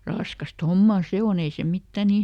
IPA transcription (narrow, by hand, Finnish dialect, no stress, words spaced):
rɑskɑst homːɑˑ se on ei se mitːæ ni